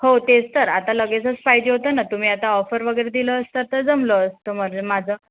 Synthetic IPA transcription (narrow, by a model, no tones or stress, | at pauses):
hot̪ed͡zt̪əɾat̪aləɡet͡sət͡sfajd͡ʑeɦot̪ənat̪um̤iːat̪aɔfəɾʋəɡəjɾed̪iləːst̪ət̪əd͡zəmləːst̪əməɾd͡ʑemad͡zʱəː